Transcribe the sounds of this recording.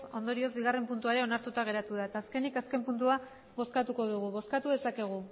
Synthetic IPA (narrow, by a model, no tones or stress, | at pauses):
o̞nd̪o̞ɾio̞zbiɣ̞are̞mpunt̪uaɾe̞o̞naɾt̪ut̪aɣ̞e̞ɾat̪uð̞aet̪aːske̞nikaske̞mpunt̪ua | βo̞skat̪uko̞ðuɣ̞uβo̞skat̪uð̞e̞sake̞ɣ̞u